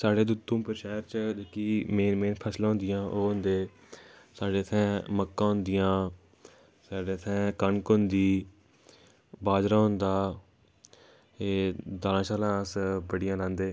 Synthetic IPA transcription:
saːɽeːd̪ʊt̪ːũːpəɾʃaːɾt͡ʃd̪ekiːmeːnmeːnpʰəslãːɦʊ̃nd̪ɪjãːʔoːɦʊ̃nd̪eː | saːɖeːət̪ʰɛ̃ːməkːãːɦʊ̃nd̪ɪjãː | saːɖeːət̪ʰɛ̃ːkəɳkond̪iː | baːd͡ʒɾãːɦʊ̃nd̪aː | eːd̪aːlãːsaːlãːəsbəɽɪjãːlãːnd̪eː

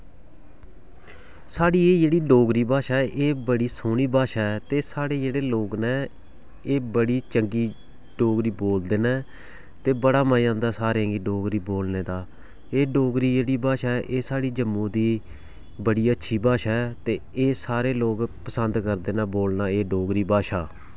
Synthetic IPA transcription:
saːɽiːeːd͡ʒeːɽiːɖoːɡɾiːbaːʃaːʔeːbəɽiːsoːniːbaːʃaːt̪eːsaːɽeːd͡ʒeːɽeːloːɡnɛ̃ː | eːbəɽiːt͡ʃəŋɡiː | ɖoːɡɾiːboːld̪eːnɛː | t̪eːbəɽaːmaːjãːnd̪aːsaːɾẽːŋɡiːɖoːɡɾiːboːlneːd̪aː | eːɖoːɡɾiːd͡ʒeːɽiːbaːʃaːɛʔeːsaːɽiːd͡ʒəmːõːd̪iː | bəɽiːətːʃʰiːbaːʃaːɛːt̪eːeːsaːɾeːloːɡpəsənd̪kəɾd̪eːnaːboːlnaːeːɖoːɡɾiːbaːʃaː

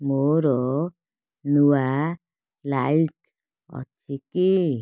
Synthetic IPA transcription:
moɾo | nuwa | lajik̚ | ʌ̰t͡sʰiki

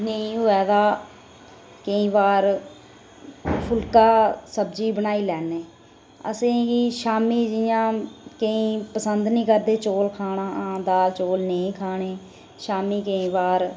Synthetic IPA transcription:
nəĩːɦoːɛːd̪aː | kəĩːbaːɾ | pʰʊlkaːsəbd͡ʒiːbənaːiːlɛːneː | ə̰sẽːɡiːʃaːmiːd͡ʒɪjãːkəĩːpəsənd̪nĩːkəɾd̪eːt͡ʃoːlkʰaːɳaːãːd̪aːt͡ʃoːlnəĩːkʰaːɳeː | ʃaːmiːkəĩːbaːɾ

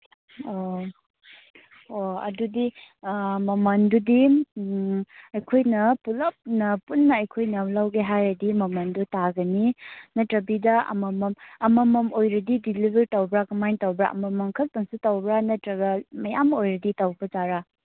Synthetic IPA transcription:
o | oɐ̰dudi | mɐmɐndudi | ɐjkʰojnɐpulɐp̚nɐpunːɐɐjkʰojnɐlawɡeɦajɾɐdimɐmɐndutaɡɐninɐtɾɐbidɐɐ̰mɐmɐmɐmɐmɐmojɾɐdidilibeɾtawbɾakɐmajntawbɾa̰ʔɐ̰mɐmːɐŋkʰɐk̚tɐŋsutawbɾanɐtɾɐɡɐmɐjamojɾɐditawbɐd͡ʒaɾa

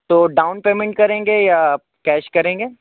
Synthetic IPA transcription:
t̪oːɖaːʊnpeːmɛ̃ɳʈ̚kɐɾẽːŋɡeja | kɛːʃkɐɾẽːŋɡeː

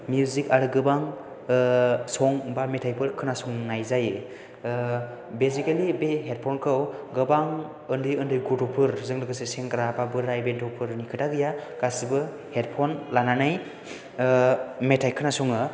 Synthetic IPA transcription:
mjuzikaɾɯɡɯbaŋ | sɔŋbametʰajpʰɯɾkʰɯnasɔŋnajzaj | bezikalibeɦet̚pʰɔnkʰɯwɡɯbaŋ | ɯndɯjɯndɯjɡutopʰɯɾzɯŋlɯɡɯsɯseŋkɾababɯɾajbentʰɔpʰɯɾnikʰɯtaɡɯjaɡ̥asibɯ | heɾpʰɔnlananaj | metʰajkʰɯnasɔŋɯ

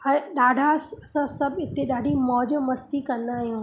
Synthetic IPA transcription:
ə̃ɗaːɖʱasɐsãsɐbɪt̪ːeɗaːɖʱimɔːd͡ʑmɐst̪ikɐ̃nd̪aːɦijũː

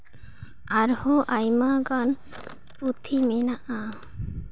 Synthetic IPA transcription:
aɾhoʔajmaɡan | put̪ʰiminaʔa

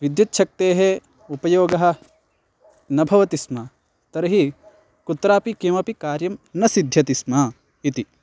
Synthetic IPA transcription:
ʋid̪jɐt̪ːʃʰɐk̚t̪eːɦe | upɐjoːɡɐɦɐ̆ | nɐbʱɐʋɐt̪ismɐ | t̪ɐɾɐɦi | kut̪ɾaːpikimɐpikaːɾjɐmnɐsid̪ʱjɐt̪ismɐ | it̪i

